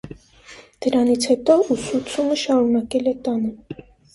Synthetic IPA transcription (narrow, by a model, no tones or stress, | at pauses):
d̪̥əɾɑnit͡sʰhɛt̪ɔusut͡sʰuməʃɑɾunɑkɛlɛt̪ɑnə